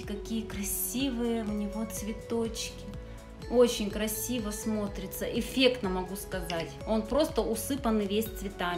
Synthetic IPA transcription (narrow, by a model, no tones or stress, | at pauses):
kɐkʲijəkɾɐsʲivɨjəʊnʲɪvo̞t̪svʲɪt̪o̞t͡ɕkʲɪ | o̞t͡ɕɪnʲkɾɐsʲivəsmo̞t̪ɾʲɪt̪səʔɪfʲe̞kt̪nəmɐɡuskɐzatʲo̞npɾo̞st̪əʊsɨpənɨvʲesʲt̪svʲɪt̪a